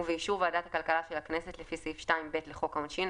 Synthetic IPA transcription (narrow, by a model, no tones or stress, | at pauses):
veiʃuʁvadat̪hakalkalaʃelaknesetlefiseifʃtaimbe̞tleχo̞kaunʃin